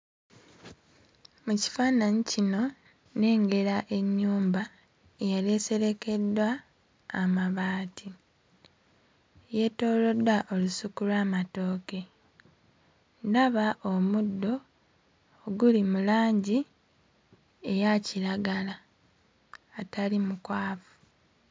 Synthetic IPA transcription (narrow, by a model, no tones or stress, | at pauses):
muci̥fanaɲicino̞ | ne̞ːŋɡe̞ɾaʔe̞ɲːuːmba | ejale̞se̞ɾe̞ke̞dːwaː | maβaːtʰi | je̞to̞ːlo̞dwaʔo̞lusukulwaːmato̞ːke̞ | ndaβaʔomudːo̞ː | ɡulimulaːɲɟi | e̞jaciɾaɡala | atalimukwaːfu̥